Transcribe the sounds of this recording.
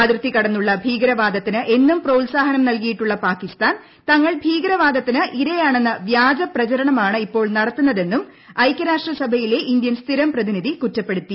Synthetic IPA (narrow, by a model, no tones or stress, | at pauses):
aːd̪ɾɨt̪ːikɐɽɐnːuɭːɐbʱiːɡɾɐʋaːd̪ɐt̪ːinɨʔe̞nːumprɐulsaːɦɐnɐmnɐlkijiʈːuɭːɐpaːkist̪aːn | t̪ɐŋːɐɭbʱiːɡɐɾɐʋaːd̪ɐt̪ːinɨʔiɾɐjaːɳe̞nːɐʋjaːd͡ʑɐprɐt͡ɕɐɾɐɳɐmaːɳɨipːo̞ːɭnɐɽɐt̪ːunːɐðe̞nːum | ɐjkʲːɐɾaːʂʈrɐsɐbʱɐjile̞ʔind̪jɐnst̪ʰiɾɐmprɐðiniðikutːɐpːe̞ɽut̪ːi